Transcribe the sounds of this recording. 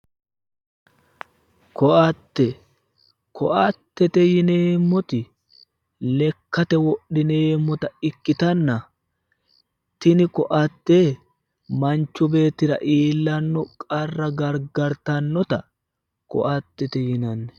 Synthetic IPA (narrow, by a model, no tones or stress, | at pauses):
kɔʔɐt̪ːɛ | kɔʔɐt̪ːɛt̪ɛjɪneːmːɔt̪ɪ | lɛkːɐt̪ɛwɔɗːɪneːmːɔt̪ɐɪkːɪt̪ɐnːɐ | t̪ɪnɪkɔʔɐt̪ːeː | mɐnt͡ʃːʊbe̞ːt̪ːɪɾɐ̰ʔiːlːɐnːɔkʼɐrːɐɡɐɾɡɐɾt̪ɐnːɔt̪ɐ | kɔ̰ʔɐt̪ːɛt̪ɛjɪnɐnːɛ̥